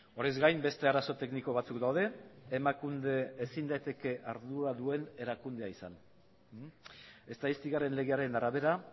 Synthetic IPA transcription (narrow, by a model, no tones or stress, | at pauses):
o̞ɾezɡajmbe̞st̪e̞aɾaso̞t̪e̞kniko̞β̞at͡sukd̪awðe̞ːmakund̪e̞ːsind̪ajt̪e̞ke̞ʔaɾðuɾaðue̞ne̞ɾakund̪e̞aisa̰n | e̞st̪aist̪iɣare̞nle̞ɣe̞aɾe̞naɾaβe̞ɾa